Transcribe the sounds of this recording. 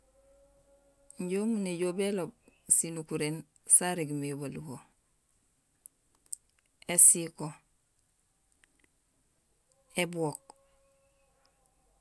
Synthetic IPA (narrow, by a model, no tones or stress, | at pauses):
ɲɟomuneɟoːbelob̚sinukuɾen | saɾeɡmeβaluko | esiko | ebwok̚